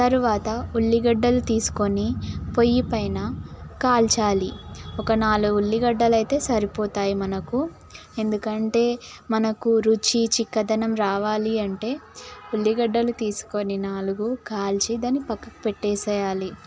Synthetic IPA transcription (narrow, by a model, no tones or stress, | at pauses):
t̪ɐɾuʋaːt̪ɐuɭːiɡɐɖːɐlut̪iːsu̥ko̞nipo̞jːipɐjnɐkaːlt͡ʃaːliɔkɐnaːluɡuɭːiɡɐɖːɐlɐjt̪e̞ːsɐɾipoːt̪aːjimɐnɐku | e̞nd̪ukɐɳʈe̞ː | mɐnɐkuɾut͡ʃit͡ʃikːɐd̪ɐnɐmɾaːʋaːliɐɳʈe̞ːuɭːiɡɐɖːɐlut̪iːsu̥ko̞ninaːluɡukaːlt͡ʃid̪ɐnipɐkːɐkupeʈːɛːsɛːjaːli